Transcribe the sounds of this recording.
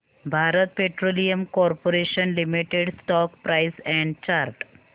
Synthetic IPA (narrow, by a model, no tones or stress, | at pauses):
bʱaɾət̪̚peʈɾolijəmkɔɾpoɾeɕənlimiʈeɽsʈɔkpɾajsɛ̃ɳɖt͡ɕaɾʈ